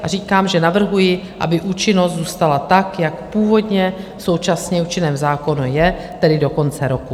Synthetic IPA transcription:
ʔariːkaːmʒɛnavr̩ɦujɪ | ʔa̰bɪʔuːt͡ʃɪno̞st̪zuːst̪alat̪akjakpuːvo̞dɲɛso̞wt͡ʃasɲɛuːt͡ʃɪnɛːmzaːko̞nujɛ | t̪ɛdɪdo̞ko̞nt͡sɛɾo̞ku

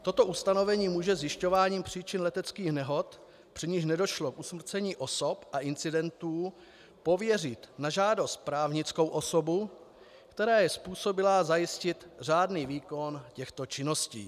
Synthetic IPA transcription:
t̪o̞t̪o̞ʔust̪ano̞vɛɲiːmuːʒɛzjɪʃco̞vaːɲiːmpr̝̥iːt͡ʃɪnlɛt̪ɛt͡skiːxnɛɦo̞t̪ | pr̥ɪɲɪʃnɛdo̞ʃlo̞kʔusmr̩t͡sɛɲiːʔo̞so̞pʔaʔɪnt͡sɪdɛnt̪uː | po̞vjɛrɪt̪naʒaːdo̞st̪̚pɾaːvɲɪt͡sko̞wʔo̞so̞bu | kt̪ɛɾaːjɛspuːso̞bɪlazajɪscɪt̪r̝aːdniːviːko̞ncɛxt̪o̞t͡ʃɪno̞scḭː

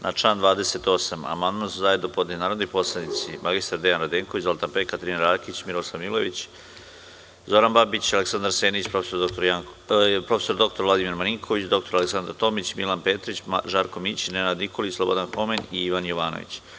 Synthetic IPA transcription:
nʔat͡ʂaːnd̪ʋaːd̪e̞set̪o̞sama̰mand̪mansuzajed̪opod̪enaːɾod̪nojpo̞slˠed̪nit̪simʔaɡist̪aɾd̪ejanɾad̪eːŋkoʋit͡ɕzolˠt̪anpekat̪ɾinaɾaːkit͡ɕmiɾoslˠaʋmilo̞ʋit͡ɕ | zo̞ɾanbabit͡ɕaleksand̪ɾaɾseːnit͡ɕpɾofesoot̪oɾjapɾo̞fesoɾd̪o̞k̚t̪oɾʋlad̪imiɾmaniŋkʰoʋit͡ɕd̪o̞k̚t̪o̞ɾaleksand̪ɾaɾt̪o̞mit͡ɕmilanpeːt̪ɾit͡ɕʒaɾko̞mit͡ɕinenad̪niko̞lislˠobo̞d̪anxo̞meniiʋanjoʋaːno̰ʋḭt͡ɕ

